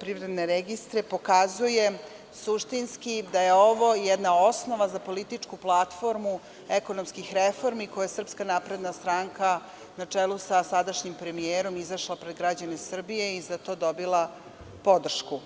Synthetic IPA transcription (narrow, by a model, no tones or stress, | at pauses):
pɾivɾed̪neɾeɡist̪ɾepo̞kazuje̞ | suʃt̪inskid̪ajeo̞ʋo̞jɛd̪nao̞sno̞ʋazapo̞lit̪it͡ʂkuplˠat̪fo̞ɾmu | eko̞nomskixɾefo̞ɾmiko̞juesr̩pskanapɾe̞d̪nast̪ɾaŋka | nat͡ʂelˠusasad̪aʃɲimpɾemieːɾo̞mizaʃlˠapɾed̪ɡɾad͡ʑane̞sr̩bije̞izat̪o̞ːd̪o̞bilˠa | po̞d̪r̩ʃku